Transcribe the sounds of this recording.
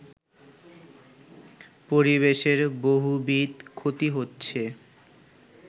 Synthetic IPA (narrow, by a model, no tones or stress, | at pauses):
poɾiβeʃeɾboɦubit̪kʰot̪iɦotːɕʰe